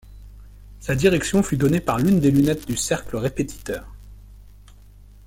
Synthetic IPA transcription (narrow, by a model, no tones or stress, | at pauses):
sad̪iʁɛksjɔ̃fyd̪ɔnepaʁlynd̪elynɛt̪̚d̪ysɛʁkləʁepet̪ʰi̥t̪œːʁ